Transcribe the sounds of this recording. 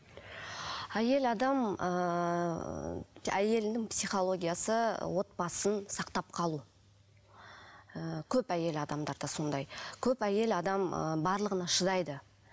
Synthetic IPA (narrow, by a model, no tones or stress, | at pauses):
æje̞lɑd̪ɑmə | æje̞lɪnɪŋpsijχo̞lˠo̞ɡʲijasə̰wo̞t̪̚bɑsənsɑqt̪ɑp̚qʰɑlˠu | əkʲʰɵpæje̞lɑd̪ɑmd̪ɑɾd̪ɑso̞nd̪ɑjkʲʰɵpæje̞lɑd̪ɑmə̰bɑɾlˠəʁənɑʃəzɑjd̪ə